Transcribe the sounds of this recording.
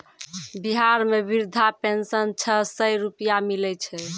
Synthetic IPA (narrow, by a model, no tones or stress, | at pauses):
biɦaɾmebiɾd̪ʱapensənt͡ʃʰəɦsəjɾupijamilɛt͡ʃʰɛ